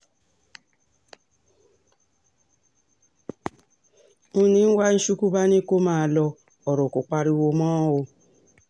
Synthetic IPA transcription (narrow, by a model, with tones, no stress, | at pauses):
u˦nĩ˦n̩˦wa˦n̩˦ʃu˦ku˦ba˦ni˦ko˦mãː˦˨lɔ˧ | ɔ˨ɾo˨ko˨k͡pa˨ɾi˦wo˧mɔ̃˦wo˧